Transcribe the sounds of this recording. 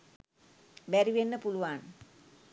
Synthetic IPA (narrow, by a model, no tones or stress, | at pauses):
bæɾiʋenːəpuluʋan